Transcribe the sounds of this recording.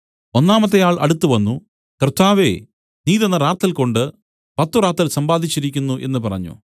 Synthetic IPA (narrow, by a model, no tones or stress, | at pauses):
o̞nːaːmɐt̪ːejaːɭʔɐ̰ɽut̪ːuʋɐnːu | krɨt̪ʰːaːʋḛ | niːðenːɐɾaːt̪ːɐlko̞ɳɖɨ | pɐt̪ːuɾaːt̪ːɐlsɐmbaːd̪ʱit͡ɕːiɾikʲːunːuʔe̞nːɨpɐrɐɲːṵ